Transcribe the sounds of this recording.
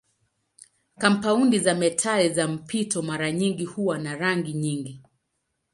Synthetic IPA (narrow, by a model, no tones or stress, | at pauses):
kam̩paundizamɛtʰaɛzam̩pitɔmaɾaɲiŋɡihuwanaɾaŋɡiɲiŋɡi